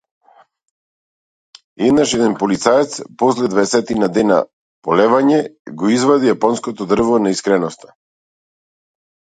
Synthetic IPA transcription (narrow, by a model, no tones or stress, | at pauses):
ɛd̪naʃɛd̪ɛnpɔlit̪saɛt̪spɔslɛd̪vaɛsɛt̪inad̪ɛna̰ | pɔlɛvaɲɛɡɔizvad̪ijapɔnskɔt̪ɔd̪r̩vɔnaiskɾɛnɔst̪ḁ